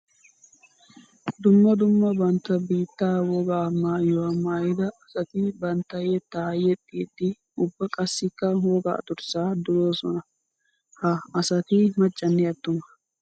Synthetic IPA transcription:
d̪ʊmːɐd̪ʊmːɐbɐnt̪ːɐbiːt̪ːaːwɔɡaːmaːjɔwamaːjɪd̪ɐɐsɐt̪ɪbɐnt̪ːɐjɛt̪ːaːjɛt̪ʼːiːd̪ːɪ | ʊbːɐkʼɐsːɪkːɐwoɡɐ̰ːt̪ʊɾsaːd̪ʊlo̞ːsɔ̰nɐ | hɐːsɐt̪ɪmɐt͡ʃʼːɐnːɛɐt̪ːʊmɐ̥

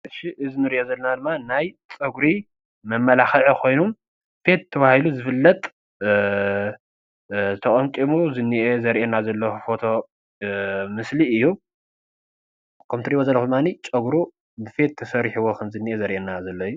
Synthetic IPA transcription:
ʃiʔɨzinɨɾiʔozɐlːɐnad̪ɨmːanajt͡sʼɨɡɾi | mɐmːɐlaxɐʕokʰo̞jnum | fe̞t̪ʰːɐβahiluzɨfɨlːɐt̪ʼ | t̪ʰɐkʼɐŋkʼimuzɨnːiʔezɐɾʔenazɐlːɐxufo̞t̪ʰo̞ | mɨsliɨjːu | kʰɐmt̪ɨɾibozɐlːɐkxud̪ɨmːanit͡ʃʼɐɡɾu | bɨfe̞t̪ʰːɐsɐɾħiwokʰɐmzɨnːiʔezɐɾʔenːazɐlːɐjːu

